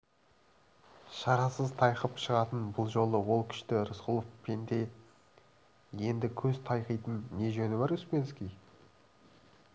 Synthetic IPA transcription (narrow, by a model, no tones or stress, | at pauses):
ʃɑɾɑsəzt̪ʰɑjqəpʃəʁɑt̪ənbʊlˠʒo̞lˠəwo̞lˠkʲʰʏ̥ʃt̪ɪɾəsqʊlˠofpʰent̪e̞ | je̞nd̪ɪkʲʰɵzt̪ʰɑjqijt̪ənːe̞ʒɵnɪβɑɾʏspʲenskʲij